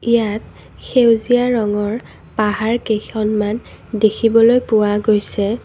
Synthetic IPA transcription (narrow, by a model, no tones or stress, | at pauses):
ijat̚ | xewziaɹɔŋɔɹ | paɦaɹkejxɔnman | dekʰibɔlojpʊwaɡojsɛ